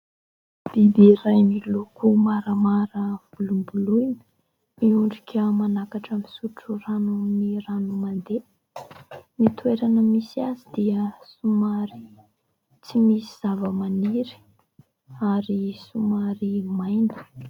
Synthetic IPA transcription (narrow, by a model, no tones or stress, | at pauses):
b̥ib̪erajmilukumaɾəmaɾəv̥ulumbulujn | miuɳɖ͡ʐikʲəmanakaʈ͡ʂamisuʈ͡ʂuranuniɾanumand̪e | mit̪ueɾanəmisiazid̪iəsumaɾi̥ | t͡simisiz̥avəmaniɾi̥ | aɾisumaɾimajnə̥